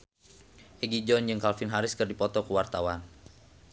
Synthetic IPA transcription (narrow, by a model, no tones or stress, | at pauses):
ʔɛɡid͡ʒɔnd͡ʒɨŋkalfɪnɦaɾɪskərdipɔt̪ɔkəwart̪awan